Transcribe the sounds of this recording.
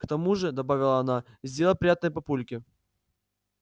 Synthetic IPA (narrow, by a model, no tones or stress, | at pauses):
kt̪ɐmuʐɨd̪ɐbavʲɪlˠəɐːna | zʲdʲeləlˠpɾʲɪjat̪nəjəpɐpulʲkʲɪ